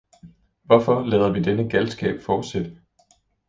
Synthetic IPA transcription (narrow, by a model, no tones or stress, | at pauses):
ʋɒfɒ̽lɛːʊð̩ˠʋid̥enəɡ̥ælsɡ̥ɛ̰ːb̥fɒ̥ːsed̥